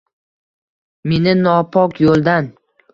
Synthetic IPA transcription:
me̞nɪnɒpʰɒkjolˠd̪an

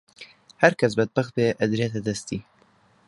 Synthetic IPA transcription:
hæɾkʰɛsbɛd̪̚bæxt̪̚beːʔɛd̪ɾeːt̪ɛd̪ɛst̪iː

